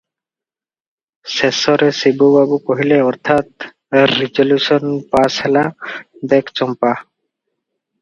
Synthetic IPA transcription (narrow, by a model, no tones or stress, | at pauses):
sesɔɾesibubabukoɦileɔɾt̪ʰat̪ | ɾid͡ʑoluʃɔnpasɛlad̪ekʰt͡ɕɔmpa